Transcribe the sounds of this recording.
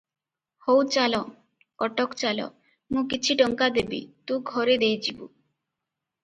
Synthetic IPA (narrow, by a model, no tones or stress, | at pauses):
howt͡ʃalɔ | ɔʈɔkt͡ʃalɔ̰ | mũkit͡ʃʰiʈɔŋkad̪ebḭt̪ũɡʱɔɾed̪ejt͡ʃʰibṵ